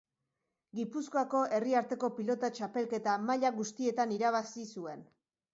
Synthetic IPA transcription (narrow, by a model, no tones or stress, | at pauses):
ɡipuskoako̞ʔe̞riaɾt̪e̞ko̞pilo̞t̪at͡ʃape̞lke̞t̪amaʎaɣust̪ie̞t̪aniɾaβ̞asisue̞n